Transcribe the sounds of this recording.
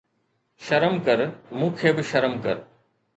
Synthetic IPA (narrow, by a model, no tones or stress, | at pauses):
ʃɐɾəmkɐɾmũːkʰeːbɪʃɐɾəmkɐ̰ɾ